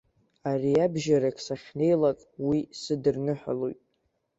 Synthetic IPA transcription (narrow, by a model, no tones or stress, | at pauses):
ariabʒaɾakʰʼsaχʲne̞jlakʼwisɨdɨrnɨħʷa̰lojtʼ